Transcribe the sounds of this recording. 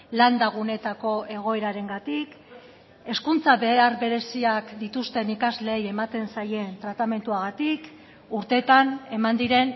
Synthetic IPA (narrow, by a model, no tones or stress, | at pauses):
land̪aɣ̞une̞t̪ako̞ʔe̞ɣ̞o̞e̞ɾaɾe̞ŋɡat̪ik | e̞skunt͡saβe̞aɾβe̞ɾe̞siakd̪it̪ust̪e̞nikazle̞je̞mat̪e̞nsaje̞nt̪ɾat̪ame̞nt̪uaɣ̞at̪ik | uɾt̪e̞t̪ane̞mand̪iɾe̞n